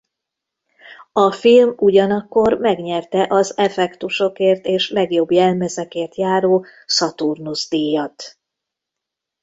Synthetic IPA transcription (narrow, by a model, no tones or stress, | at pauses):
ɒfilmuɟɒnɒkːo̞rmɛɡɲɛrt̪ɛʔɒzɛfɛkt̪uʃo̞keːrt̪eːʃlɛɡjo̞bjɛlmɛzɛkeːrt̪jaːɾoːsɒt̪urnuzd̪ijɒt̪